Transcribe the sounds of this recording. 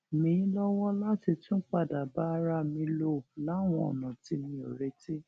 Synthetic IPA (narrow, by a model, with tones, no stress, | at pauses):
mĩ˨˦lɔ˦wɔ˦la˦ti˧tũ˦k͡pa˦˨da˨ba˦˧ɾa˦mĩ˧lo˧˨la˨˦˨w̃ɔ̃˧ɔ̰˨nã˨ti˧mĩ˧o˨ɾe˧˦ti˦